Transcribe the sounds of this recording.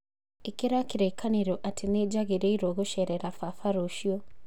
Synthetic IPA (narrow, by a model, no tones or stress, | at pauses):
ekiɾakiɾekʰaniɾoʔatʰined͡ʒaɣeɾeiɾoɣuʃeɾeɾafafaɾoʃio